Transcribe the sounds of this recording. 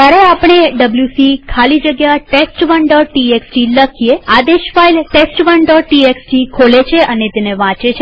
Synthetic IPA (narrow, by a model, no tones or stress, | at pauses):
aɾeapɽ̃eɖəbljusikʰalid͡ʒəɡjaʈesʈʋəɳɖɔʈʈieksʈiləkʰijead̪eʃfailʈesʈʋəɳɖɔʈːʈieksʈikʰolet͡ʃʰeʔənet̪eneʋãt͡ʃet͡ʃʰe